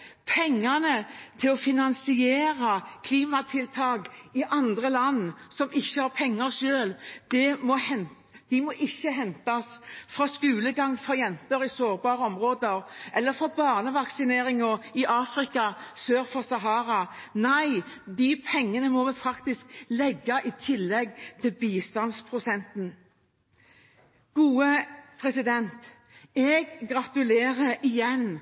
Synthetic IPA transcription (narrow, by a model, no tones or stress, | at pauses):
pʰɛŋːənət̪ʰɪlɔfɪnɑnsɪeːɾɑkʰliːmɑt̪ʰɪlt̪ʰɑːɡɪʔɑnd̪ɾəlɑnːsɔmɪçːəhɑʁpʰɛŋːəɾʃøːld̪̥ɛmɔhɛn | d̪̥ɪmɔʔɪçːəɦɛnt̪ɑsfɾɑskʉːləɡɑŋfɔjɛnt̪əɾɪsoːɾbɑːɾəɔmɾoːd̪əɾʔɛlːəɾfɔbɑːʁnəʋɑksɪneːɾɪŋɔɪʔɑːfɾɪkɑsøːɾfɔsɑɦɑːɾɑnæɪd̪ɪpʰɛŋːənəmɔmɛfʰɾɑkt̪ɪsklɛɡːɑʔɪt̪ʰɪlːɛɡt̪ʰɪlbiːst̪ɑnspʰɾʊsɛnt̪n̩ | ɡ̥uːəpʰɾɛsɪd̪ɛnt̪ | ɛɡːʁɑt̪ʉleːɾəɪjɛn